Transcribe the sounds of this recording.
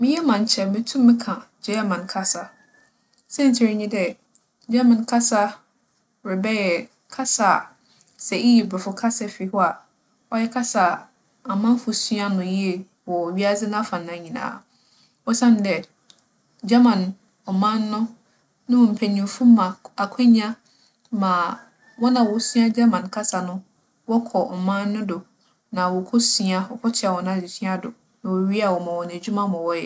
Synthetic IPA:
mɪ̃˦jɛ˦mã˨ɲ˨t͡ɕʰɛ˨mɪ̃˦tʰũ˦mːɪ̃˦kʰã˨d͡ʑɛ˦mã˨nkʰa˦sa˦ | sɛ̃˦ɲ̩˨t͡ɕʰɪ˨ɾɪ˨ɲĩ˦dɛ˨ | d͡ʑa˦mã˨nkʰa˦sa˦ | ɾɪ˨bɛ˦jɛ˨ | kʰa˦sa˨ | sɛ˨i˦ji˨bɪ˨fʊ˦kʰa˦sɛ˦fi˨hʊ˦a˨ | ɔ˦jɛ˦kʰa˦sa˨ | a˨mã˦n˦fʊ˨sɥa˦nʊ̃˨ji˦e˨ | wɔ˨ɥi˦a˦zɪ˦nã˦fã˨nã˨˦ɲĩ˨nã̰ː˨˦ | wɔ˦sã˦n˨dɛ˨ | d͡ʑa˦mã˨n | ɔ˨mã˦nː˦ʊ̃˦ | nʊ̃˦ʊ̃˨m̩˨pʰæ˨ɲĩ˨fũ˦mã˨a˨kʰɛ̃˦ɲ˦ã˦ | mã˨ | wɔ˦nã˨wɔ˨˦sɥa˦d͡ʑa˦mã˨nkʰa˦sa˨nʊ̃˦ | wɔ˦kʰɔ˨m̩˨mã˦nː˦ʊ̃˦dʊ˨ | nã˨wɔ˨kʰʊ˦si˦a˦wɔ˨˦kʰɔ˦tʰɪ˦a˨wɔ˨nã˦˨d͡ʑi˨sʰi˦a˦dʊ̰˨ | nã˨wɔ˨ɥi˦a˨wɔ˨mã˨wɔ˨n˨æ˨d͡ʑᶣu˦mã˦mã˨wɔ˦jɛ˨

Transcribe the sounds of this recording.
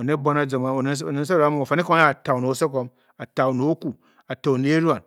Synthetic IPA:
o˨ne˦bo˦na˦d͡zo˨ma˨e˨˦˨ne˨˦sa˦˨ɾa˦mu˦˨a˨fa˨ni˦ko˦a˦a˨ta˨u˨no˨˦se˦ko˦m | a˨ta˨u˨no˨˦ku˨ | a˨ta˨u˨ni˨˦ɾa˨n

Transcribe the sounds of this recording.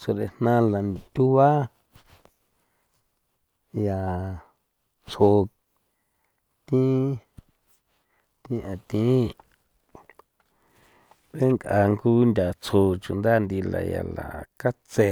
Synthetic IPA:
t͡sʰo˧ɾe˧˨nnã˦la˨t̪ʲu˦βa˦ | ja˨ | t͡sʰo˧ | t̪ĩ˦ | t̪ĩ˦ʔã˨t̪ĩ˦ | βe˦ŋka˧ŋɡu˦nd̪ʲa˨t͡sʰo˧t͡ʃu˨nd̪a˦nd̪i˧la̰˧ja̰˨la̰˨ka˦t͡se˧

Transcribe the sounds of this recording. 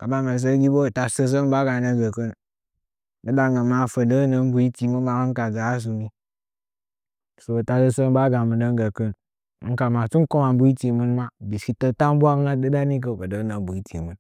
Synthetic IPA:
ka˨ba˦ŋə˨s̬ə˦ɡʲi˦bo˦˨ta˨sə˦s̬ə˦ŋ˦ba˦ɡa˨nə˦ɡə˨kə˦n | də˦ba˦ŋə˨ma˨fə˨də˦nə˨n˦bu˨i˦ti˨mɨ˦n˦ma˦kə˦ŋ˦ka˨d͡za˨a˦s̬u˨ɡi˦ | so˨bo˨ta˨sə˦sə˦ŋ˦ba˦ɡa˨mə˨də˦ŋ˦ɡə˨kə˦n˦ | ŋ̩˦ka˨ma˨t͡su˦n˦ko˦ma˨m˦bu˦i˦ti˨mɨ˦nma˦˨bi˨ski˦tə˦ta˦m˦bʷa˦kna˦də˦da˦ni˦k̬ə˦˨kə˨də˦nə˨˦bu˨i˦tḭ˨mɨ˦n

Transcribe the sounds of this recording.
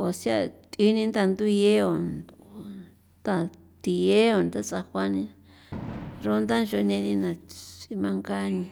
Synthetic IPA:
o˨sja̰˦˧˨t̪ʼi˧˦nĩ˧nd̪a˧nd̪u˦˧je˦o˨n | t̪a˧ | t̪i˧je˦o˨nt̪a˦t͡sa˧xʷa˦nĩ˧ | ɾo˦nd̪a˦nʒo˧nẽ˧nĩ˧nã˨si˧mã˧ŋɡa˦nĩ˧

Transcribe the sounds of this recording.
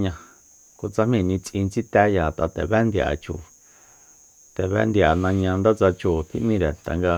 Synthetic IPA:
ɲã˧ | ko˧t͡sa˧mĩ˧˨nĩ˧t͡sʔĩ˧nt͡si˦t̪ɛ˦ja˨t̪a˨t̪ɛ˨βɛ˦nd̪ja̰˨t͡ʃṵ˨ | t̪ɛ˨βɛ̰˦nd̪ja˨nã˧ɲã˧nd̪a˦t͡sa˧t͡ʃu˨t̪ʰḭ˦ʔmĩ˦˧ɾe˨t̪a̰˨ŋɡa˧

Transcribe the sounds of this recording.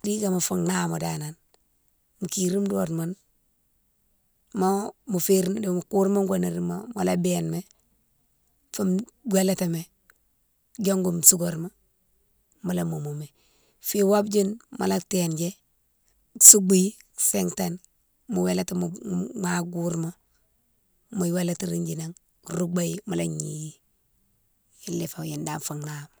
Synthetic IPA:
di˦ɡa˨ma˨fuŋna˦mo˨danan | mu˨kiɾi˦mdo˦tman | momu˨fiɾde˨mu˨ku˦ɾma˦ŋɡʷani˨ɾi˦mamo˨la˦benme˦ | fu˦mɡʷe˦le˦te˨me˨ | d͡ʒo˦ŋɡo˨msu˦ɡoɾma˦ | ma˨lamo˨mo˨me˨ | fi˦wa˦bd͡ʒi˦nma̰˨la˦tend͡ʒe˦ | su˦ɡ͡bi˦seŋtan | mu˨we˦la˦ta˦mmaɡuɾmo˦ | mu˨˦we˦la˦ti˦ɾind͡ʒi˨na˨ŋ | ɾu˦ɡ͡ba˦jimo˨laɲḭ˨ji˦ | i˦lːi˨fa˨ji˨nda˨mfa˨ŋnam

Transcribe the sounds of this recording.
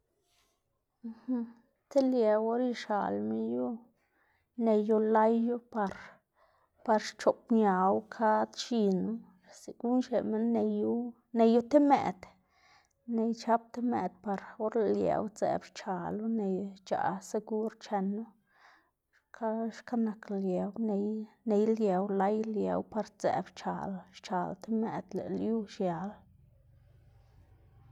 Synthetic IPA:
h | t̪e˦lje˨wo˦ɾi˧ʃa̰˨lme˦ju˦ | ne˧ju˧la˦jːu˦pa˧ɾ | pa˧ɾʃt͡ʃo˨pɲja˨wkʰa˦d̪ʃi˧nu˦˨ | si˨ɡ̥u˦nʃḛ˨me˦nːe˧ju˦ | ne˧ju˦t̪e˦mḛ˨d̪̥ | ne˧jt͡ʃa˦p̚t̪e˦mḛ˨d̪pa˨ɾo˦ɾle˨ljḛ˨wt͡sḛ˨bt͡ʃa˨lu˦ne˧jt͡ʃa̰˨se˧ɡu˦ɾt͡ʃe˧nːu˦ | ka˦ʃka˦na˨klje˨wne˧jne˧jlje˨wla˦jljḛ˨˧wpa˧ɾt͡sḛ˨bt͡ʃa̰˨lʃt͡ʃa˨lt̪e˦mḛ˨d̪lḛ˨lju˦ʃja˨l

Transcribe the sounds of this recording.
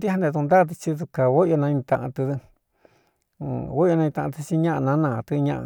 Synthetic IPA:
d̪i˦ha˦nd̪ẽ˧t̪u˧nd̪a˦˧t̪ɨ˧t͡ʃi˧t̪u˧ka˨wo˦jo˧nã˧ɲĩ˧t̪ã̰˧ʔã̰˧t̪ɨ˧t̪ɨ˧˨ | wo˦jo˧nã˧ĩ˧t̪ã˧ʔt̪ɨ˧t͡ʃi˦˧ɲã˦ʔnã˧˦nã˧t̪ɨ˧ɲã̰˧ʔa̰˧

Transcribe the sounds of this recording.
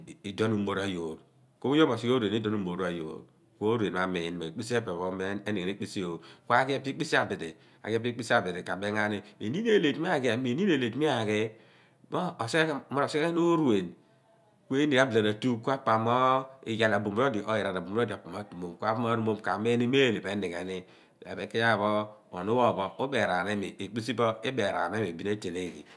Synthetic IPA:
i˨do˦nu˨mo˨ɾa˨jo˨ɾ | ko˦u˦jo˦ma˨si˦o˦ɾwe˨ni˦do˦nu˨mo˨ɾa˨jo̰˨ɾ | ko˦o˦ɾu˨e˨ma˨me˨n˨ma˨k͡pi˦si˦e˦be˨βo˨˦me˦e˦ne˨ɡe˨e˦k͡pi˦si˦o˨ka˦ɡe˦pi˦k͡pi˦si˦a˨bi˨dḛ˨ | a̰˨ɡe˦pi˦k͡pi˦sa˨bi˨ɾe˨ka˨be˦ŋa˦ni˦me˨ni˦ne˨le˨tmi˦a˦˨ɡe˨a˨me˨ni˦n˦e˨le˨tmi˦a˦˨ɡe˦ | mɔː˦˨se˦mɔ˦o˨se˦e˦no˦ɾu˨e˨n | kʷe˦ni˨ka˦bla˨na˨tu˦ku˦a˦pa˨mɔ˦i˨ja˨la˨bu˨m˦o˦di˨ʔo˨ji˨ɾa˨ɾa˨bu˨m˨˦o˦da˨pa˨ma˨˦tu˨mo˨mkʷa˦pm˦a˦ɾu˦mo˦mka˨me˦ni˦me˦˨ni˨be˨˦ni˨ke˨ni˦ | ḛ˨be˦ki˦a˦˨βɔ˦o̰˨nu˦wɔ˦˨bɔ˦o˦be˨ɾa˨ne˦mi˨e˨k͡pi˦si˦bɔ˦i˦be˨ɾa̰˨n˦e˦mi˨bi˦ne˦te˨le˦˨kḭ˨

